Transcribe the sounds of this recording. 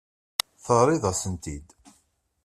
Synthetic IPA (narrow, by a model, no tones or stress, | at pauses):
θəɾˤiðɑsənt̪id̪